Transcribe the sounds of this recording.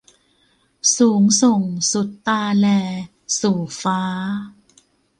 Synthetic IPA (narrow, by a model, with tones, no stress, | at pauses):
suː˩˦ŋso˨˩ŋsu˨˩t̪ːaː˧lɛː˧ | suː˨˩faː˦˥